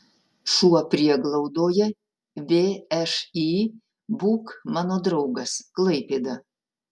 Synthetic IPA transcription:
ʃuɔpʲɾʲiɛɡlˠɐʊd̪oːjɛ | ʋʲeːɛʃi | buːkmɑːnoːd̪ɾɐʊɡɐsklˠɐɪpʲeːd̪ɐ

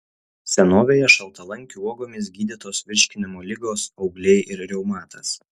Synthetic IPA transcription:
sʲɛnoːʋʲeːjɛʃɐlˠt̪ɐlˠɐŋʲkʲuuɔɡoːmʲɪs̬ɡʲiːd̪ʲɪt̪oːsʋʲɪɾʲʃʲkʲɪnʲɪmoːlʲɪɡoːsɒʊɡlʲɛɪʔɪɾɾʲɛʊmɑːt̪ʰɐs

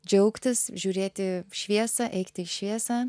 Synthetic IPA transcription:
d͡ʒʲɛʊkt̪ʲɪsʒʲuːɾʲeːt̪ʲɪʃʲʋʲiɛsɐʔɛɪkt̪ʲɪɪʃʲʋʲiɛsɐː

